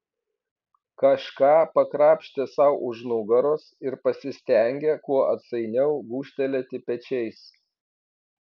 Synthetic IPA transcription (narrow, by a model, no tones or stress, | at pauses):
kɐʃkɑːpɐkɾɑːpʲʃʲt̪ʲesɐʊʔʊʒnʊɡɐɾoːsɪɾpɐsʲɪsʲt̪ʲɛˑŋʲɡʲɛkuɔɐt̪sɐɪnʲɛʊɡuːʃʲt̪ʲɛlʲɛt̪ʲɪpʲɛt͡ʃʲɛɪs